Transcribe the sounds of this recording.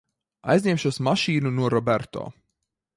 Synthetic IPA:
a̰jzʲnɲʲemʃuɔsmaʃiːnunuɔɾɔbæɾt̪ɔ̰ː

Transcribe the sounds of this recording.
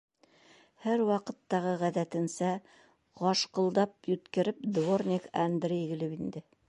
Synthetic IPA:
hæɾwɑqɤ̆t̪ːɑʁɤʁæðæt̪ɘ̆nsæ | ʁɑʃqɤ̆lˠd̪ɑp̚jɵ̆t̪kɘ̆ɾɘp̚d̪vornʲɪkand̪rʲiɡɘ̆lɘpind̪ɘ

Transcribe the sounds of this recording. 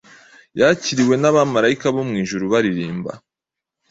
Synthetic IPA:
jaciɾiwe̞naβamaɾaikaβomŋiːʒuɾuβaɾiɾiːmba̰

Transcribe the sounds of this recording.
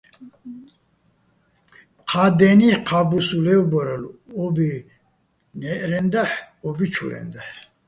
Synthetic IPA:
qʰad̪eniqʰabusulɛwbəɾəlɔbi | nɛʔɾɛnd̪aħ | ɔbit͡ʃʰṵɾɛ̰nd̪aħ

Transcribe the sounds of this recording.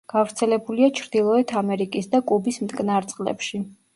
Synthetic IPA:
ɡ̥avɾt̪sʰɛlɛbuliat͡ʃʰɾd̪ilˠɔɛt̪ʰamɛɾikʼisd̪akʼubismt̪ʼkʼnaɾt̪sʼqʼlɛ̰pʃi

